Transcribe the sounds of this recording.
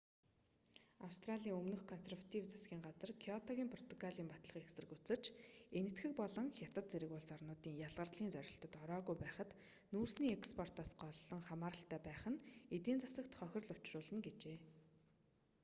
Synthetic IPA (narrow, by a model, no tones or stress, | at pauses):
awst̪raɮʲiːŋɵmnɵ̆xkʰɔnserwat̪ʰiwt͡sʰḁsɡʲiːŋɢat͡sə̆rkʰiɔt̪ʰɔɣʲiːmpʰrɔ̥t̪ɔ̥kʰaɮiːmpat̪ɮə̆χexsɘ̆rɘ̆kut͡sɘ̆t͡ɕenɘ̆t̪xɘ̆k̚pɔɮɞ̆ŋxʲat̪ə̆t̪t͡seɾɘ̆kʊɮsarnʊːt̪iːŋjaɮʁə̆rɮiːnt͡sœɾʲɪ̆ɬt̪ɞ̆t̪ɔɾɔːɣujpæːχə̆t̪ | nuːrsniːekspʰɔr̥t̪aːsɢɔɮːɞ̆ŋχamaːɾə̆ɬt̪æːpæːχə̆net̪iːnt͡sḁsə̆kt̪χœxʲɪ̆rɮʊt͡ɕrʊːɮə̆ŋɡet͡ɕeː